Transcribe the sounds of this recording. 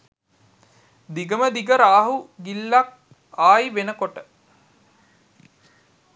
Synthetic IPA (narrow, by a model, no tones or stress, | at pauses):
d̪iɡəməd̪iɡəɾaːɦuɡilːak̚ | aːjʋenəkoʈə